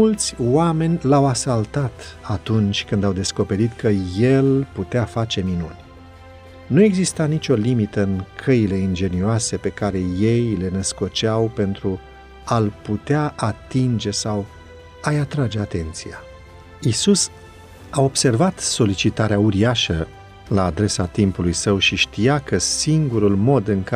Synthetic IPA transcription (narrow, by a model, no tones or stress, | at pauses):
ult̪sʲwame̞nʲlawasalt̪at̪at̪unt͡ʃʲkɨnd̪awd̪e̞sko̞pe̞ɾit̪kəje̞lput̪eafat͡ʃe̞minṵnʲ | nue̞ɡzist̪anit͡ʃʲo̞limit̪əɨŋkʰəile̞ind͡ʒe̞nioase̞pe̞kaɾe̞je̞jle̞nəsko̞t͡ʃawpe̞nt̪ɾu | alput̪eaʔat̪ind͡ʒe̞saw | ajat̪ɾad͡ʒe̞at̪e̞nt̪sia | isus | ao̞bse̞rvat̪so̞lit͡ʃit̪aɾeauɾiaʃə | laːd̪ɾe̞sat̪impulujsəwʃiʃt̪ijakəsiŋɡuɾulmo̞d̪ɨŋk